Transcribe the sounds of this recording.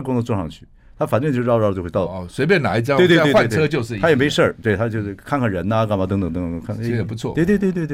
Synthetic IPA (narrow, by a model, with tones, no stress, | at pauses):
kʊ˥ŋd̪ə˧t͡swɔ˥˧˩ʂɑ˥˧ŋt͡ɕʰy̰˥˩ | t̪ʰa˥fa˨˩nʈ͡ʂt͡ɕo˥˧˥ɑ˥˧ət͡ɕo˥˧wtɑ˥˩˧swe˧˥ɪp̬jɛ˥˩na̰˨˦i˥˩t͡ɕɑ˥we˥˩˧t̪e˥˧˥te˥˧wa˥˨˥ɤ˥t͡ɕjo˥˧ʊʂɻ̩ʰ˥˨˧jɛ˨˩me˥˧ʂə˥˩t̪we˥˩t̪ʰa˥t͡ɕjo˥˧ʊʂ̩˥˩kʰa˥˧nkʰa˥˩ɻə˧˥nə˧ka˥˩nm˧˥˩t̪ŋt̪ə˨˩ŋt̪ŋ˧˩˧ŋkʰa˥˩˥ɛ˨˩pu˧˦t͡sʰwɔ̰˥˨we˥˧t̪we˥˧t̪we˥˧t̪we˥˧t̪